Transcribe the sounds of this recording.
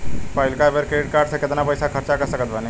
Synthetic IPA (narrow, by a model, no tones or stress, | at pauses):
paːjlkabeɾkeʈ̚kaɾɖsəkɪt̪napəjsakʰəɾt͡ʃakəɾsəkət̪bani